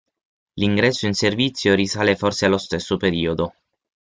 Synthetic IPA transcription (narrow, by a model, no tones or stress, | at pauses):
liŋɡɾɛsːoinservit̪sːjoɾisaːlefɔrsealost̪esːopeɾiːod̪o